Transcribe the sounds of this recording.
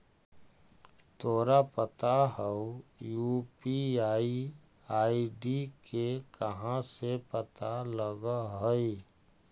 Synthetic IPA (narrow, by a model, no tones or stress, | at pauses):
t̪ʰoːɾapət̪aɦəujuːpiaːi | aːiɖikekəɦãsepət̪aləɡaɦoi